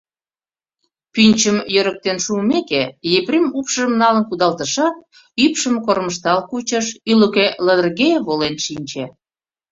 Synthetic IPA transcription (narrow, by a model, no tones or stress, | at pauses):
pynʲt͡ɕəmjøɾək̚t̪enʃuːmekejeprʲimupʃəmnɑlənkud̪ɑlt̪əʃɑt̪̚ | ypʃəmkorməʃt̪ɑlkut͡ɕəʃyləkeləd̪ərɣeβolenʃinʲt͡ɕe